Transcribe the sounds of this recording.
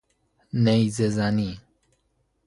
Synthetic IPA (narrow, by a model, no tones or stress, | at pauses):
nɛizɛzani